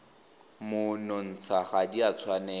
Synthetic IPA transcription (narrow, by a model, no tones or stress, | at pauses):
mʊnɔn̩t͡sʰaχadiat͡sʰwanɛ